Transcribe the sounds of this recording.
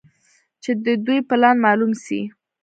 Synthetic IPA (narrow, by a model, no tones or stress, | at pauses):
t͡ʃed̪əd̪ujplɑnmɑlumsḭ